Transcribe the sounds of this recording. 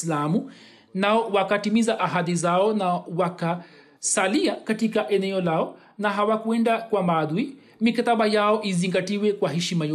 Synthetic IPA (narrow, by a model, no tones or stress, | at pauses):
lamu | naɔwakatimizaʔaɦaðizaɔnawaka | saliakatikaʔɛnɛɔlaɔ | naɦawakuɛndakwamaɗwi | mikataɓajaɔʔiziŋɡatiwɛkwaɦɛʃimajɔ